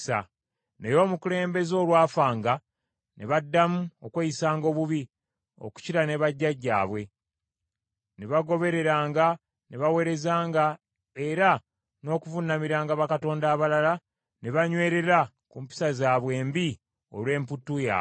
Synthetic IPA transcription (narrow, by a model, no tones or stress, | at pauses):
sa̰ | nejo̞ːmukule̞ːmbe̞zo̞ːlwaːfaːŋɡa | neβadːamuokwejisaːŋɡo̞ːβuβi | o̞̰ku̥ciɾane̞βaɟːaɟːa̰ːβwe̞ | neβaɡo̞βe̞ɾe̞ɾaːŋɡa | neβawe̞ːɾe̞zaːŋɡa | eɾa | no̞ːkuvunːamiɾaːŋɡaβakato̞ːndaːβalala | neβaɲwe̞ːɾe̞ɾa | kumpi̥sazaːβwe̞ːmbi | o̞̰lwe̞ːmputːuja̰